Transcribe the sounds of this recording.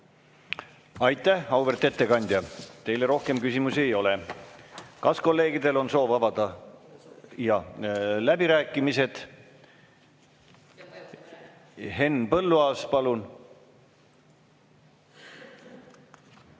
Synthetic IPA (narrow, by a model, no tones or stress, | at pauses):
ɑjt̪ːˑæhɑwvert̪ˑe̞t̪ːe̞kɑnʲd̪̥ʲjɑt̪e̞jleɾo̞hke̞mkysʲimuse̞jo̞le | kɑsko̞lːe̞ːɡid̪e̞lo̞nso̞ːvɑbɑd̪̥ɑ | jɑlæbiɾæːkːˑimise̞d̪̥ | ɦe̞nːpɤlːuɑːspɑlun